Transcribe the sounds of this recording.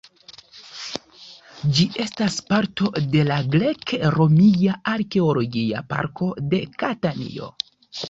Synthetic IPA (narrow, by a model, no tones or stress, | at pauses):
d͡ʒiʔe̞staspaɾto̞de̞laɡɾe̞kɾo̞mijaaɾke̞olo̞ɡia̰pa̰ɾko̞de̞katanḭo̞̰